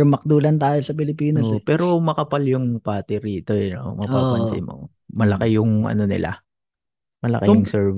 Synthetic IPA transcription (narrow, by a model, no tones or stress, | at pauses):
mɐk̚d̪uːlɐnt̪aːjosɐp̬ɪlɪpiːnospɛːɾo̞mɐkɐpaljʊŋpaːt̪ɪɾiːt̪o̞jɐnomɐpaːpɐnsɪ̰mo | mɐlɐkɐjʊŋʔɐ̰no̞nɪ̰la̰ | mɐlɐ̰kɐjʊŋsɛɹv